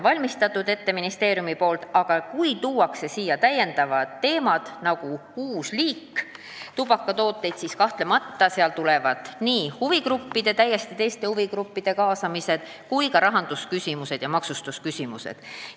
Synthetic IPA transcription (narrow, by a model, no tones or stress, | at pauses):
vɑlʲmist̪ɑt̪ːˑud̪e̞t̪ːe̞minist̪e̞ːɾjumipo̞ːlt̪ɑɡ̥ɑkujt̪uːwɑkse̞siːjɑt̪æjːe̞nd̪̥ɑvɑd̪ːe̞ːmɑd̪̥nɑɡ̥ukuːsliːkː | t̪ub̥ɑkːˑɑt̪o̞ːt̪ːˑe̞jd̪̥siskɑht̪le̞mɑt̪ːɑseɑlt̪uleɛvɑd̪̥niːhuvikrupːid̪̥e̞t̪æjːest̪it̪e̞jst̪e̞huvikɾupːid̪̥e̞kɑːsɑmise̞d̪̥ | kujkɑɾɑɦɑnd̪̥uskysʲimuse̞d̪̥jɑmɑksust̪uskysʲimuse̞̰d̪̥